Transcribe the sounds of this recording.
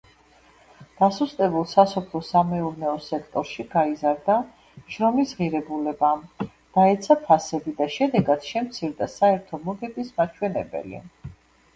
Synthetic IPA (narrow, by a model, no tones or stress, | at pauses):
d̪̥asust̪ʼɛbulˠsasɔpʰlˠɔsamɛuɾnɛɔsɛkʰt̪ʼɔɾʃiɡaizaɾd̪a | ʃɾɔmisʁiɾɛbulɛbam | d̪̥aɛt̪sʰapʰasɛbid̪aʃɛd̪ɛɡad̪ʃɛmt̪sʰiɾd̪asaɛɾt̪ʰɔmɔɡɛbismat͡ʃʰwɛnɛ̰bɛ̰lḭɛ̰